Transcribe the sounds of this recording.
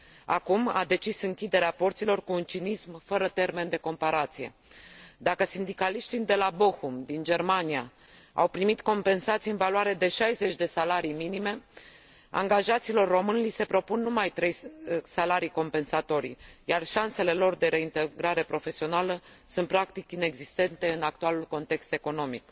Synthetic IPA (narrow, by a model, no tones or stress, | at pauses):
akuma̰d̪e̞t͡ʃisɨŋkʲid̪e̞ɾeaport̪silo̞rkuːnt͡ʃinismfəɾət̪e̞rme̞nd̪e̞ko̞mpaɾat̪sije̞ | d̪akəsind̪ikaliʃt̪id̪e̞labo̞humd̪ind͡ʒe̞rmanija | a̰wpɾimit̪ko̞mpe̞nsat̪sijɨnvaluwaɾe̞d̪e̞ʃajze̞t͡ʃʲd̪e̞salaɾijminime̞ | a̰ŋɡaʒat̪siːlo̞rːo̞mɨnlise̞pɾo̞punːumajt̪ɾe̞jsalaɾijko̞mpe̞nsat̪o̞ɾʲjarʃanse̞le̞lo̞rd̪e̞ɾe̞int̪eɡɾaɾe̞pɾo̞fe̞sio̞nalə | sunt̪̚pɾakt̪ikine̞ɡzist̪e̞nt̪e̞ɨnak̚t̪ualulko̞nt̪e̞kst̪e̞ko̞no̞mik